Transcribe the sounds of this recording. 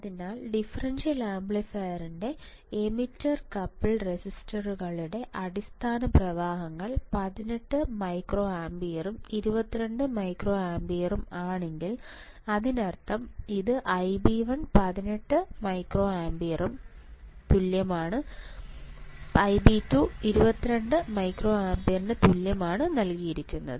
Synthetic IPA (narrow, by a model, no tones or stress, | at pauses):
ɐðinaːlɖifɐrɐnsɐlaːmbɭɐsajɐrinde̞ | emitːɐrkɐpːiɭresistɐruɣɐɭiɽe̞ʔɐɽist̪ʰaːnɐprɐʋaːɦɐŋːɐɭpɐðineʈːɨmɐjkro̞ːaːmbijɐrumiɾubɐt̪ːiɾeɳɖɨmɐjkro̞ːaːmbijɐrumaːɳe̞ŋɡil | ɐðinɐrt̪ːɐmiðɨʔɐjbiʋɐnpɐðineʈːɨmɐjkro̞ːaːmbijɐrumt̪uljɐmaːɳɨ | ɐjbitːuiɾubɐt̪ːiɾeɳɖɨmɐjkro̞ːaːmbijɐrnɨt̪uljɐmaːɳɨnɐlkijiɾikʲːunːɐ̰ðɨ